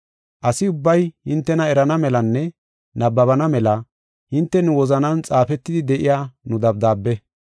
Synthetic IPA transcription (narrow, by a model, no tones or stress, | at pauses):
ʔɐsɪʊbːɐjhɪnt̪ːɛnɐɛɾɐnɐmɛlɐnːɛ | nɐbːɐβɐnɐmɛlɐ | hɪnt̪ːɛnʊwɔzɐnɐnt͡sʼaːfɛt̪ːɪd̪ɪd̪ɛʔɪjaːnʊd̪ɐb̚d̪aːbːɛ